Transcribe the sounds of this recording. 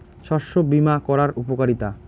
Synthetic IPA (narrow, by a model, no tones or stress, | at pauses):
ʃɔɾʃobimakɔɾaɾupokaɾit̪a